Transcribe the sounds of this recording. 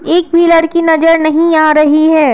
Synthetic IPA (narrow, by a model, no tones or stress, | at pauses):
eːkbʱiːləɾkinɐd͡ʒəɾnɐɦĩaːɾɐɦiɦɛː